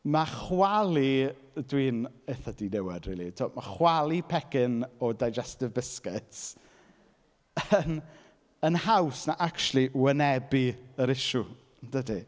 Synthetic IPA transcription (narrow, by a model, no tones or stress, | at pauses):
maχwalˠi | dwiːneθadinɛwɛd̥rḭːlˠḭtʰoːmaχwalˠipʰɛkɪnɔdajd͡ʒɛstɪvbɪskɪts | ən | ənhawsnaʔakʃlˠiwənɛbiəɾɪʃu | d̥ədi